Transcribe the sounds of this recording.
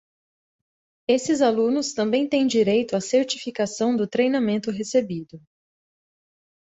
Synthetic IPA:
esɪzalũnʊst̪ɐ̃mbẽj̃t̪ẽj̃d͡ʒiɾejt̪ʊaseɾt͡ʃifikasɐ̃w̃d̪ʊt̪ɾejnamẽnt̪ʊɦesebid̪ʊ

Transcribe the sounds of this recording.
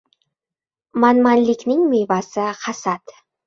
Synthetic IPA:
manmanlɪkʲnɪŋmevasɪhasat̪

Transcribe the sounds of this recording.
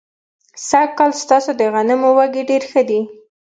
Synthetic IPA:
sakkːɑlst̪ɑsod̪əɣanɪmowaɡiɖeɾxəd̪i

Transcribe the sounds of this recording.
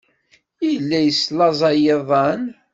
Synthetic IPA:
jilːæjəslɑzˤɑjeðˤɑn

